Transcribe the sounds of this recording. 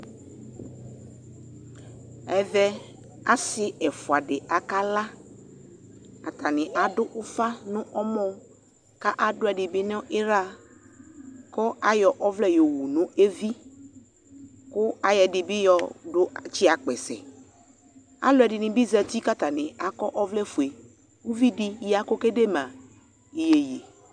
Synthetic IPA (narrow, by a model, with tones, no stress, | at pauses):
ɛ˨vɛ˦ | a˦sɪ˦ɛ˨fʊ˨a˨ɖɪ˨ʔa˨ka˦la˦ | a˨tʰa˨nɪ̃˨ʔa˨dʊ˦ʔʊ˦fa˦nʊ̃˦ʔɔ˦mɔ̃˦ | ka˦ʔa˨dʊ˦ɛ˨dɪ˨bɪ˦nɔ̃˦ʔɪ˦ɾa˦ | kɔ˦a˦jɔ˨ʔɔ˦vlɛ˦jo˨wu˨nʊ̃˦e˦vi˦ | kʊ˦a˨jɛ˨dɪ˨bɪ˦jɔ˨dʊ˦t͡ʃɪ˦a˨k͡pɛ˨sɛ̰˨ | a̰˨˦lʊ˦ɛ˨dɪ˨nɪ̃˨bi˦za˨ti˦ka˦ta˨nɪ˨a˨kɔ˦ʔɔ˦vlɛ˦fu˨e˨ | wu˦vi˦dɪ˦ja˨kɔ˦ke˦de˦mã˨ | i˨je˨je˨